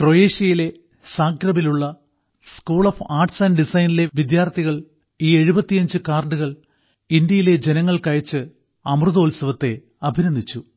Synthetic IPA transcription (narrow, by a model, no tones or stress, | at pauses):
kro̞jeːʂjɐjile̞ | saːkɾɐmiluɭːɐ | skuːɭɐfaːrʈsɐnɖisɐjnile̞ʋid̪jaːrt̪ʰiɣɐɭ | iːe̞ɻubɐt̪ːijɐɲd͡ʑɨkaːrɳɖɨɣɐɭ | ind̪jɐjile̞d͡ʑe̞nɐŋːɐɭkɐjɐt͡ɕːɨ | ɐmrɨðoːlsɐʋɐt̪ːe̞ | ɐbʱiɾɐnd̪ʱit͡ɕːu